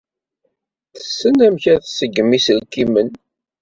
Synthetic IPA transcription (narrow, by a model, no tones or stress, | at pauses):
θə̥sːənæmçæθsəɡːmisəlkimən